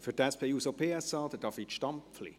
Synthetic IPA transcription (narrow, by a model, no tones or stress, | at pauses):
fydɛspʰejuːsopʰeːɛsɑːd̪əd̥ɑfitʃtɑmpflḭ